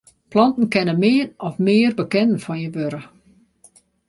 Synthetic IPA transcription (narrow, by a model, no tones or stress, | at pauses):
plɔntn̩kɛnəmɪːnɔfmɪːrbəkɛnən̩fɔnjəʋøɾə